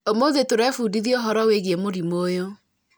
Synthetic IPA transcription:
omoðetoɾɛfuːdiðioɦɔɾɔweɣiemoɾimoːjo

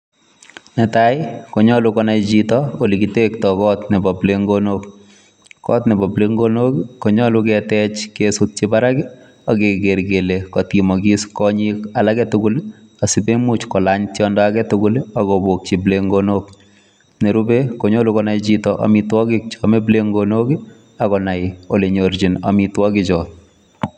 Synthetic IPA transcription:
nɛtajɪkoɲɔlukɔnajd͡ʒitɔolikitek̚tɔkɔtnɛbɔbleŋɡonok | kɔtnɛbɔbleŋɡonokkːɔɲɔluk̬ɛtɛt͡ʃkesʊt̚t͡ʃibaɾak | ɔkeɡeɾɡelekɔtkimɔɡiskɔɲikalakɛtʊkʊl | asibemut͡ʃkɔlaɲtjɔndɔakɛtʊkʊlakobok̚t͡ʃibleŋɡonok | neɾubekoɲɔlukɔnajt͡ʃitɔʔa̰mitwɔkɪk̚t͡ʃɔmebleŋɡonoki | akɔnajoleɲoɾd͡ʒina̰mitwɔkit͡ʃɔ

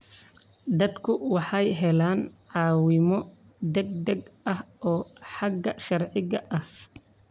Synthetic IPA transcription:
d̪ɐd̪kʰʊwɑħɑjɦɛlaːnʕɑːwɪmɔ | d̪ɛɡ̚d̪ɐɡɐhɔːħɑɡɐʃɐrʕɪɣɐʔɐh

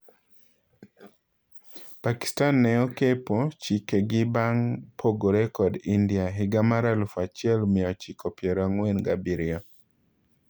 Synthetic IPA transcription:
paki̥stanːɛɔkepot͡ʃikeɡɪbaŋpʰoɡoɾɛkɔdindiaɦɪɡamaɾalfat͡ʃɪɛlmɪɔt͡ʃikʰɔpjɛɾaŋwenɡabiɾɪa

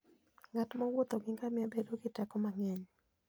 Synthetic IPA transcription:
ŋatmɔwot̪ɔɡɪŋɡamjabedoɡɪtɛkɔmaŋɛɲ

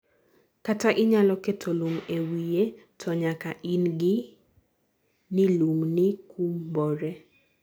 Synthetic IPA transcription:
kataʔɪɲalɔketʰoluŋewijetʰɔɲakaʔinɡɪ | niluŋnikʰumbɔɾe

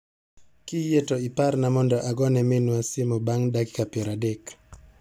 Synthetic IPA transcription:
kijetɔipaɾnamɔndɔʔaɡɔnɛminwasimɔbaŋdaki̥kapɛɾadɛk

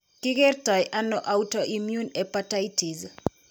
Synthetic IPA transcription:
kiɡertɔjʔanɔʔawutɔʔimjunɛpataitiz

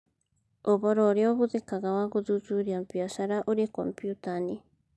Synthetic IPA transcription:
oβoɾoɾioβut̪ekaɣawakut̪ut͡ʃuɾiampiaʃaɾaʔoɾiko̰mpjut̪ani

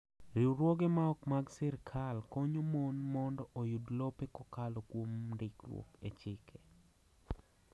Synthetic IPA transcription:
ɾiwɾwɔɡemaɔkmaɡsɪrkʰalkɔɲomonmɔndɔʔojudlɔpekɔkalokwomdɪkɾwo̰ket͡ʃɪkʰe

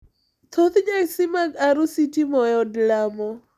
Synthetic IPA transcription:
t̪ʰot̪d͡ʒaksimaɡaɾusitimɔjɔdlamɔ

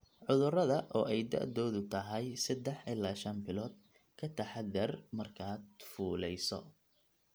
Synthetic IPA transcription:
ʕʊðʊrɐðɐʔɔːʔɛjd̪ɐ̰ʔðɔːðʊt̪ʰɐɦɛjsɐd̪ɛħɪlːaːʃɐnbɪlɔːd̪̚ | kʰɐt̪ʰɐħad̪ɐrmɐrkʰaːd̪fuːlɛjsɔ̰

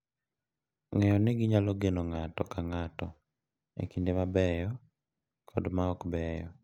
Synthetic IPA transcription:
ŋejɔneɡiɲaloɡenɔŋatɔkaŋatɔ | ḛkindemabɛjɔ | kʰɔdmaɔkbɛːjɔ̰

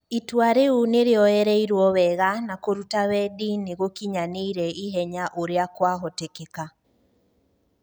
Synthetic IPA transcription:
itwaɾeuneɾeɔɛɾɛiɾwɔwɛɣanakoɾutawɛdineɣokiɲaneiɾɛiɦɛɲaʔoɾeakwaɦɔtekeka

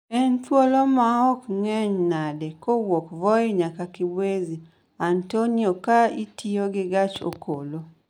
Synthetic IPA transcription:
ɛntwolomaɔkŋɛɲnadɛkowokvɔeɲakakibwezi | antoniokaitioɡɪɡat͡ʃo̰kʰolo

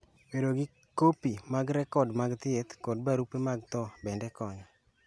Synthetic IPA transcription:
beɾoɡɪ | kopimaɡɾɛkɔdmaɡt̪ɪet̪kɔd̚baɾupemaɡt̪ɔbɛndɛkɔɲɔ

